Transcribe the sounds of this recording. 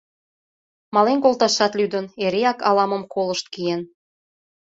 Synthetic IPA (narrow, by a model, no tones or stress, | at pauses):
mɑlenkolt̪ɑʃɑt̪lyd̪əneɾeɑkɑlɑmə̆mkoləʃt̪̚kijen